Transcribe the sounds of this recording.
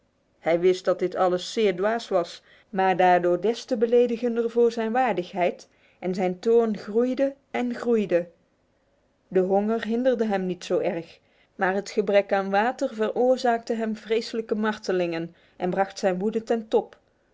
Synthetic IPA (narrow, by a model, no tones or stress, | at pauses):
hɛjʋɪst̚d̥ɑt̚dɪtʰɑləsːɪːɹdʋaːsʋɑs | maːɹdaːɹdʊːɹdɛstəbəlejdəɣəndərvʊːɹzɛjnʋaːɹdəxɦɛjt | ʔɛnzɛjntoːɹnχrujdə | ɛnχrujdə | dəɦoŋərɦɪndərdəɦɛmnitsowɛɹχ | maːɹɦətχəbrɛkaːnʋaːtərvərʔʊːɹzaːk̚təɦɛmvrejsələkəmɑɹtəlɪŋən | ʔɛnbrɑχtsɛjnʋudətɛntɔp